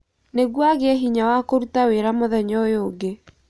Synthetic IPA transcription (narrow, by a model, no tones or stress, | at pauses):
neɣwaɣeɛɦiɲawakoɾutaweɾamoðɛɲɔjoːɡe